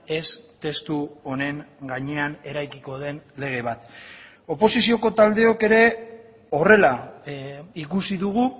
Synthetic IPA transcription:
e̞st̪e̞st̪uo̞ne̞ŋɡaɲe̞ane̞ɾajkiko̞ð̞e̞nle̞ɣ̞e̞β̞at̪ | o̞po̞sisio̞ko̞t̪ald̪e̞o̞ke̞ɾe̞ | o̞re̞la | ikusiðuɣ̞u

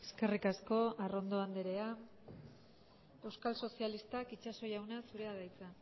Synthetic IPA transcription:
e̞ske̞rikasko̞aro̞nd̪o̞and̪eɾe̞a | e̞wskalso̞sialist̪akit͡ʃaso̞jawnasuɾe̞aðajt͡sa

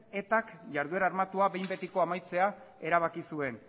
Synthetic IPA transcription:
e̞t̪akʝaɾð̞ue̞ɾaɾmat̪uaβejmbe̞t̪iko̞amajt͡se̞ae̞ɾaβ̞akisue̞n

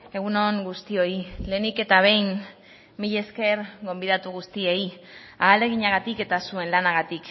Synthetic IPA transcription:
e̞ɣ̞uno̞ŋɡust̪io̞ile̞ːnike̞t̪aβ̞e̞jnː | iʎe̞ske̞ɾɡo̞mbiðat̪uɣust̪ie̞iaːle̞ɣ̞iɲaɣ̞at̪ike̞t̪asue̞nlanaɣat̪ik

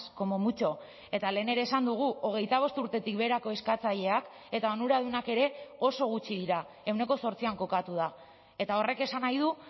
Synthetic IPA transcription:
ko̞mo̞mut͡ʃo̞ | e̞t̪ale̞ːne̞ɾe̞ːsand̪uɣ̞uʔo̞ɣ̞e̞jt̪aβ̞o̞st̪uɾt̪e̞t̪ik̚be̞ɾako̞e̞skat͡saʎe̞ak | e̞t̪ao̞nuɾað̞unake̞ɾe̞o̞so̞ɣ̞ut͡ʃiðiɾa | e̞wne̞ko̞so̞ɾt͡siaŋko̞kat̪uð̞a | e̞t̪ao̞re̞ke̞sanajð̞u

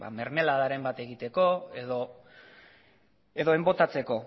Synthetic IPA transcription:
a̰me̞ɾme̞laðaɾe̞mbat̪e̞ɣit̪e̞ko̞eðo̞ | e̞ðo̞e̞mbo̞t̪at͡se̞ko̞

